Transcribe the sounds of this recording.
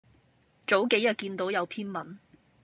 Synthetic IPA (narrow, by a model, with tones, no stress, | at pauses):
t͡ʃo˨˥wke˨˥jɐ˨t̚kiː˧nt̪o˨˥wjɐ˨˧wpʰiː˥nmɐ˨˥n